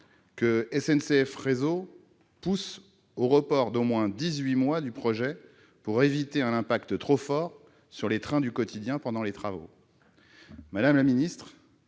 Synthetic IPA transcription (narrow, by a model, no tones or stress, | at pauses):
kəɛsɛnseɛfʁezo | pus | oʁəpɔʁd̪omwɛ̃d̪izɥimwad̪ypχɔʒɛ | puʁevit̪eɛ̃nɛ̃pakt̪ət̪χofɔʁ | syʁlet̪χɛ̃d̪ykɔt̪ʰid̪jɛ̃pɑ̃d̪ɑ̃let̪χavo̰ | mad̪amlaminist̪χ